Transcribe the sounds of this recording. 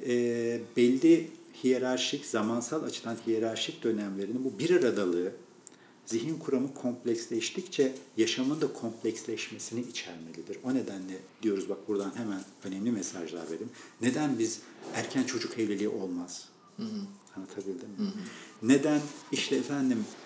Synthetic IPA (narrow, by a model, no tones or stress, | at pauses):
ɛːbɛlʲːihijeɾaɾʃiczamansalˠat͡ʃʰɯ̥d̪anhijeɾaɾʃic̚d̪ø̞næmlʲe̞ɾinibubiɾaɾad̪alˠɯɯ | ziɦinkʰuɾamɯkʰo̞mplʲɛcslʲɛʃt̪ʰict͡ʃʰɛjaʃamɯnd̪akʰo̞mpʰlʲɛcslʲɛʃme̞siniit͡ʃʰɛɾme̞lʲid̪iɾo̞ne̞d̪ænlʲɛd̪ijo̞ɾuzbak̚buɾd̪anhemænø̞nɛmlʲimesaʒlˠa̰ɾve̞̰ɾimne̞d̪ænbizæɾcʰænt͡ʃʰo̞d͡ʒukʰɛvlʲelʲiʔo̞lˠmaz̥ | hant̪ʰabilʲd̪imː | e̞d̪æniʃlʲɛːfænd̪im